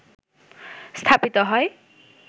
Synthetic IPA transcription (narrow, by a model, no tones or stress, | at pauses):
st̪ʰapit̪ʌɦʌj